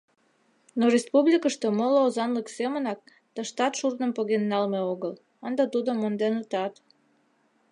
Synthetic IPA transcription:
norespuβlʲikəʃt̪omoloozɑnləksemənɑk̚ | t̪əʃt̪ɑt̪ʃurnə̆mpoɣenːɑlmeoɣəl | ənd̪ɑt̪ud̪omond̪enət̪ɑt̪

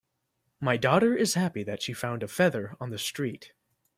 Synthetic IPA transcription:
maɪdɔɾə˞ɪz̥hæpiðɨtʃifãʊ̃ndɨfɛðə˞ə̃nðɨstɹ̥it̚

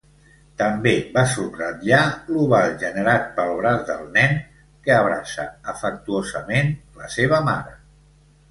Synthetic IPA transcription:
t̪əmbeβasubrəðialuβalʒənəɾat̪̚pəlˠβɾazd̪əlˠnɛn | kəəβɾa̰sə̰əfək̚t̪uozəmenləseβ̞əma̰ɾə

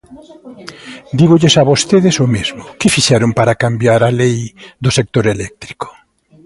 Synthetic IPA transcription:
d̪iɣʊʎesaβost̪eðɪsʊmezmʊkɪfiʃɛɾʊmpaɾakambjaɾalejðʊsek̚t̪oɾelɛk̚t̪ɾi̥ko̥

